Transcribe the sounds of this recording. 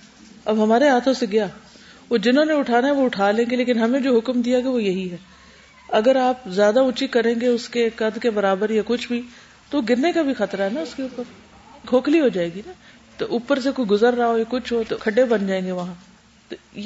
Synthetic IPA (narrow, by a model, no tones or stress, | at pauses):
ɐbɦɐmaːɾeɦaːt̪ʰõseɡɪjaː | oːd͡ʒɪnɦõːneʊʈʰaːnaɦɛʋoʊʈʰaːlẽːŋɡeleːkɪnɦɐmẽd͡ʒoːɦʊkmd̪ijaɡaʋojɐɦiɦɛː | ɐɡəɾaːp̚zjaːd̪aʊt͡ʃikɐɾẽːŋɡeʊskekɐd̪kebɐɾaːbəɾjakʊt͡ʃʰbʱi | t̪ooɡɪɾnekabʱixɐt̪ɾaɦɛnaʊskeuːpəɾ | kʰoːkliɦod͡ʒaːeːɡina | t̪oʔuːpəɾsekoːiɡʊzəɾːaaojakʊt͡ʃʰɦot̪okʰɐɖebɐnd͡ʒaːẽːŋɡeʋɐɦã | t̪o